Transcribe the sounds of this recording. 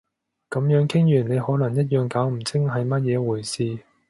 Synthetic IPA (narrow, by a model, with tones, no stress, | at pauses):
kɐ˨˧˥mjœː˨˥ŋkʰɪ˥ŋjyː˨˩nle˨˧jhɔː˨˥lɐ˨˩ŋjɐ˥t̬̚jœː˨˧ŋkaː˨˥wm̩˨˩t͡sʰɪ˥ŋɦɐ˨jmɐ˥t̚jɛː˨˧wuː˨˩jsiː˧